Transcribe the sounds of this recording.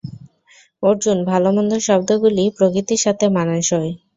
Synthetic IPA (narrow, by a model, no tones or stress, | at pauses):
oɾd͡ʑunbʱalomɔnd̪ʱoʃɔbd̪oɡulipɾokit̪iɾʃat̪ʰemanaʃɔj